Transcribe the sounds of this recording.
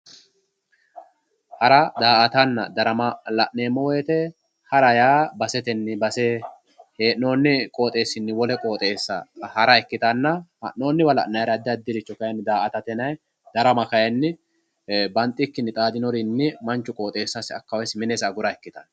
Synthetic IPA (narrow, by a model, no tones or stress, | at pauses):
hɐɾɐd̪aːʔɐt̪ɐnːɐd̪ɐɾɐmɐlɐʔneːmːɔwɔjɛt̪ɛ | hɐɾɐjaːbɐsɛt̪ɛnːɪbɐseː | heːʔno̞ːnːɪkʼo̞ːt̪ʼe̞ːsːɪnːɪwɔlɛkʼo̞ːt̪ʼeːsːɐhɐɾɐɛkːɪt̪ɐnːɐhɐ̰ʔno̞ːnːɪwɐlɐ̰ʔnɐjɾɐd̪ːɪɐd̪ːɪɾɪt͡ʃːɔkɐjɛnːɪd̪aːʔɐt̪ɐt̪ɛnɐj | d̪̥ɐɾɐmɐkɐjɛnːɪ | bɐnt̪ʼːɪkːɪnːɪt̪ʼaːd̪ɪnɔɾɪnːɪmɐnt͡ʃːʊkʼo̞ːt̪ʼe̞ːsːɐsɪɐkːɐwɐsmɪnɛsɐɡʊɾɐɛkːɪt̪ɐn